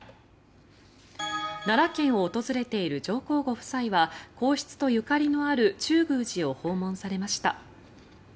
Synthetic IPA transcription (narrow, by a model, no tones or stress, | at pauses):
naɾakẽ̞ɰ̃o̞ːt̪o̞zɨɾe̞t̪e̞iɾɯ̟d͡ʑo̞ːko̞ːɡo̞ɸɯ̟̥saiβako̞ːɕi̥t͡sɨ̥t̪o̞jɯ̟kaɾʲino̞aɾɯ̟t͡ɕɨːɡɯ̟ːʑio̞ho̞ːmõ̞ɰ̃saɾe̞maɕi̥t̪a̰